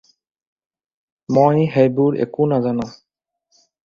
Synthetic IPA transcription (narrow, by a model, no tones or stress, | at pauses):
mojɦejbuɹɛ̰kunazanã